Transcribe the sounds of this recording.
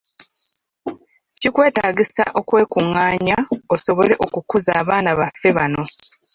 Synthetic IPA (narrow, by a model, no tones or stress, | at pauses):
cikwe̞ːtaːɟisa̰ʔo̞kwe̞ːkuŋːaːɲaoso̞βo̞le̞ʔo̞kukuzaːβaːnaβafe̞βano̞